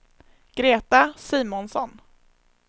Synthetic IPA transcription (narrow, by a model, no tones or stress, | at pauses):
ɡ̥ɾeːt̪asiːmɔnsɔn